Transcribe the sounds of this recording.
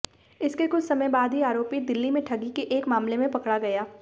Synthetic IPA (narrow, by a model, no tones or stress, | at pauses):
ɪskekʊt͡ʃʰsɐməjbaːd̪ʱɦiaːɾoːpid̪ɪlːimẽʈʰɐɡikeʔeːkmaːmlemẽpɐkɽaɡɐjaː